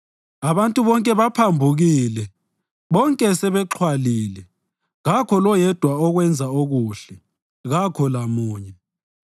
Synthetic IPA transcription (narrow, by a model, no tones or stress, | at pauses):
aβantʼuβɔŋkʼɛβapʰambʱuɣilɛ | βɔŋkʼɛsɛβɛǁʰwaliːlɛ | ɣakʰɔlɔjɛd̥ʱwaɔɣwɛnd͡zʱaoɣuːɬɛ | ɣakʰɔlamuːɲɛ